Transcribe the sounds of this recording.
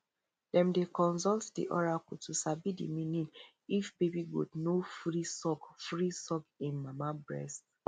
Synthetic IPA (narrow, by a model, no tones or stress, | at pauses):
dɛ̃mdekɔ̃nsɔltdḭʔɔɹakɔtusabidḭmĩnĩn | ifbebiɡṵdnofɹisɔkfɹisɔkĩnmamabɹɛ̰st